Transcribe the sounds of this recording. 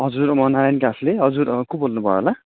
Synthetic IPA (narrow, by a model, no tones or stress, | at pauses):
ɦʌd͡zuɾmʌnaɾajnkasleɦʌd͡zuɾkubolnupʌ̰ɾo̰la